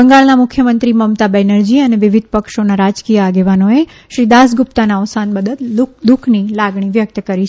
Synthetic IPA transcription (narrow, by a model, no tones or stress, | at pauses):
əŋɡaɭnamʊkʰjəmənt̪ɾiməmt̪abɛnəɾd͡ʒiəneʋɪʋid̪̚ʱpəkʃonaɾad͡ʒkijəaɡeʋanoe | ʃɾid̪as̬ɡupt̪anaəʋsanbəd̪ət̪d̪ukʰnilaɡɳiʋjək̚t̪əkəɾi